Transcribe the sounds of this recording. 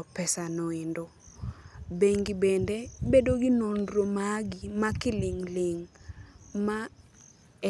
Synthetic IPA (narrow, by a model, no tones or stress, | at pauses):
pɛsanɔendo | beŋɡibendebedoɡɪnondɾomaɡɪmakɪlɪŋlɪŋ | ma